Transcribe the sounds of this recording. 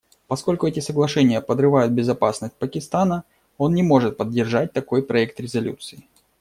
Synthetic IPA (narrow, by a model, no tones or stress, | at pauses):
pɐsko̞lʲkʊɛtʲɪsəɡlˠɐʂɛnʲɪjəpəd̪rɨvajʊt̪̚bʲɪzɐpasnəsʲt̚ʲpəkʲɪst̪anə | o̞nnʲɪmo̞ʐɨt̪̚pədʲːɪrʐat̚ʲt̪ɐko̞jpɾɐɛk̚t̪ɾʲɪzɐlʲṵt̪sɨɪ